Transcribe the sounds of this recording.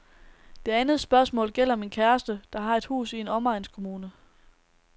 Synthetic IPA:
d̥e̝ænð̩ˠsb̥ɶɐsmɔ̰̽ːlɡ̥el̰ɐɒ̽me̝nkʰæɐsd̥əd̥ɑ̈ɦɑ̈e̝d̥hṵːsie̝nɒ̽mɑ̈ɪnskʰo̝muːnə

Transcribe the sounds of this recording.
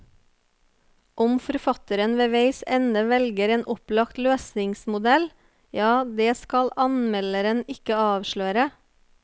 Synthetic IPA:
ʔɔmfɔɾfɑt̪əɾənʋeːʋeɪsɛnəʋɛlɡəɾeːnʔɔplɑkt̪løːsɪŋsmʊd̪ɛl | jɑːd̪eːskɑlʔɑnmɛləɾənɪkəɑːʋʃɭøːɾə

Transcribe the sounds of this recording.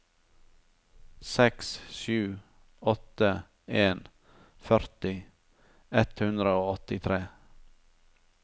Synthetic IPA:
sɛksʃʉː | ɔt̪ə | eːn | fœɾt̪ɪ | ɛt̪hʉnd̪ɾəoːɔt̪ɪt̪ʰɾeː

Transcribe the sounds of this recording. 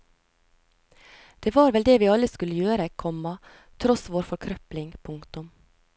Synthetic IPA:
d̪̥eːʋɑːɾʋɛld̪eːʋiːɑləskʉləjøːɾəkʰɔmɑ | t̪ʰɾɔsʋoːɾfɔɾkʰɾœplɪŋpʰʊŋkt̪ʊm

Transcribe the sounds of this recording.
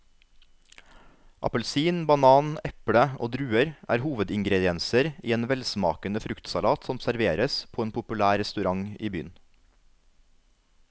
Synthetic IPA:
ʔɑ̰pəlsiːnbɑnɑːnɛpɽəʔo̰ːd̪ɾʉːəɾʔæ̰ːɾhuːʋəd̪ɪŋɡɾɛd̪ɪɛnsəɾiːeːnʋɛlsmɑ̰ːkənəfɾʉkt̪sɑlɑːt̪sɔmsæɾʋeːɾəspʰoːeːnpʰʊpʉlæːɾɛst̪ʉɾɑŋḭːby̰ːn

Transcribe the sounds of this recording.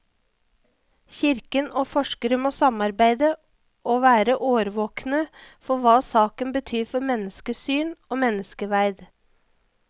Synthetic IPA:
çɪɾkənoːfɔʂkəɾəmoːsɑmɑɾbæɪd̪ə | ʔoːʋæːɾəʔoːʋəɾʋoːknəfɔʋɑːsɑːkənbət̪ʰyːɾfɔɾmɛnəskəsyːnoːmɛnəskəʋæɪd̪

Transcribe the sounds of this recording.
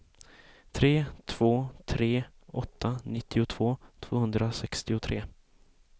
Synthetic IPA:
t̪ʰɾeːt̪ʰv̥oːt̪ʰɾeː | ɔt̪ʰːanɪt̪ːɪʊt̪ʰv̥oːt̪ʰv̥oːhɵnd̪ɾasɛkst̪ɪʊt̪ʰɾeː

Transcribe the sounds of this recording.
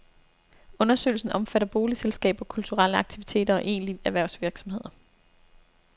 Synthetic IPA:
ɔ̽nɐsø̰ːɪlsn̩ʔɒ̽mfæɾɐb̥o̝ːliselsɡ̥ɛ̰ːb̥ɒ̽kʰult͡sʰuʁɑl̰əɑ̈ɡ̥t͡sʰiʋit͡sʰe̝̰ːd̥ɐɒ̽ʔe̝̰ːnliæʋæɐʊsʋiɐɡ̥sɒ̽mhe̝ð̞̰ˠɐ

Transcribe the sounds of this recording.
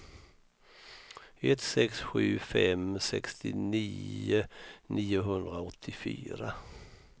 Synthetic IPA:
ɛt̪sɛksɧʉ̟ːfɛmsɛkst̪ʰɪniːənʔiːʊɦɵnd̪ɾaɔt̪ʰːɪfy̰ːɾa

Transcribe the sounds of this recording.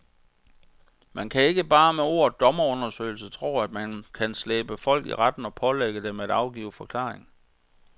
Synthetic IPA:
mænkʰæe̝ɡ̥əb̥ɑ̈ːmeo̝̰ːɐ̰d̥ɒ̽mɐɔ̽nɐsø̰ɪl̩sət͡sʰʁo̝̰ːæd̥mænkʰænsleːb̥əfɒ̽l̰ɡ̥ḭʁad̥n̩ɒ̽pʰɒ̽leɡ̥əd̥emedɑ̈ʊɡ̥iʊfɒ̽kʰlɑ̰̈ːʁeŋ

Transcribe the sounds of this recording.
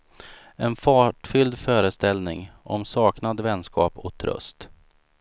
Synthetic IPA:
ɛnfɑːʈfʏld̪fœːɾəst̪ɛlnɪŋʔɔ̰msɑːknad̪vɛnskʰɑːpɔk̚t̪ʰɾɵ̰st̪

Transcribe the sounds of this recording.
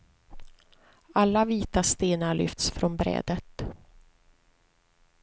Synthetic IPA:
alːaviːt̪ast̪eːnaɭʏ̰ft̪sfɾɔnbɾɛ̰ːd̪ət̪

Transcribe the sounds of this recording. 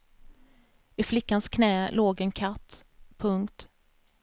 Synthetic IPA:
ɪflɪkːanskʰnɛːloːɡɛnkʰat̪ː | pʰɵŋkt̪

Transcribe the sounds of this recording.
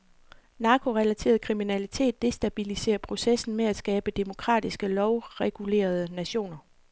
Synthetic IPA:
nɑ̈ːkʰo̝ʁɛlæt͡sʰe̝̰ːɐð̞̩ˠkʰʁiminælit͡sʰe̝̰ːd̥ːe̝sd̥æb̥ilise̝̰ːɐpʰʁo̝sesn̩meæ̥sɡ̥ɛːb̥əd̥e̝mo̝kʰʁɑ̰̈ːd̥isɡ̥əlɒʊʁɛɡ̥ule̝̰ːɐð̞ˠənæɕo̝̰ːnɐ

